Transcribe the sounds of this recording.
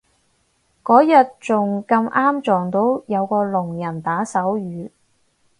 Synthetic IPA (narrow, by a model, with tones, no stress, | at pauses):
kɔː˨˥jɐ˨t̚t͡sʊ˨ŋkɐ˧mʔaː˥mt͡sɔː˨˩ŋt̪o˨˥wjɐ˨˧wkɔː˧lʊ˨˩ŋjɐ˨˩nt̪aː˨˥sɐ˨˥wjyː˨˧˥